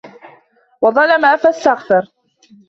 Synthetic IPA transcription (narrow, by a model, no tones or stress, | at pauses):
wɑðˤɑlamaʔafast̪aɣθɑɾˤ